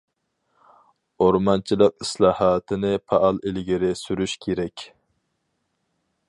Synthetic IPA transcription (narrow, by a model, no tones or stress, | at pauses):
oɾmɑnt͡ʃʰilˠəq̚islˠɑːhɑːt̪ʰɨnɪpʰɑʔɑlˠilɡʲiɾɪsyɾyʃkʲʰeɾɛkʲ